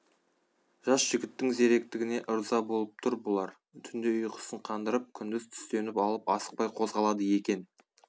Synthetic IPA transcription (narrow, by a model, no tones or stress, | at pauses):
ʒ̥ɑsʒ̥ɪɡʲɪt̪ːɪŋze̞ɾe̞k̚t̪ɪɡʲɪne̞ʔʊɾzɑbo̞lˠəp̚t̪ʰʊɾbʊlˠɑɾ | t̪ʰʏnd̪ɪʊjqʰə̥səɴqʰɑnd̪əɾəp̚kʲʰʏnd̪ɪzt̪ʰʏ̥st̪e̞nɪpɑlˠəpɑsə̥q̚pɑjqʰo̞zʁɑlˠɑd̪əje̞kʲe̞n